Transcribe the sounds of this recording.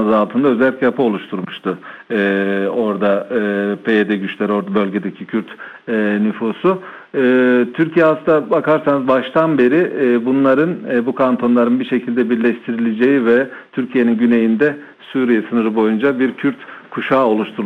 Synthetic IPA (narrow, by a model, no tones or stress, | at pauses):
ɯzalˠt̪ʰɯnd̪aø̞zɛlʲicʲɛjapʰɯo̞lˠuʃt̪ʰuɾmuʃt̪ʰʊ | o̞ɾd̪aɯpʰejed̪ɛɟyt͡ʃlʲæɾo̞ɾd̪abø̞lʲɟe̞d̪ecʰicʰyɾt̪ː | nyfuːsu | t̪ʰyɾcijɛasɯnd̪abakaɾsanɯzbaʃt̪ʰanbe̞ɾibunlˠaɾɯnbukʰant̪ʰo̞nlˠaɾɯnbiʃe̞cʰilʲd̪ɛbiɾlʲɛʃt̪ʰiɾilʲed͡ʒe̞jivɛt̪ʰyɾcʰije̞ninɟyne̞jind̪ɛ | suːɾijɛsɯnɯɾɯbo̞jund͡ʒabiɾcʰyɾt̪kʰuʃaːo̞lˠuʃt̪ʰuɾ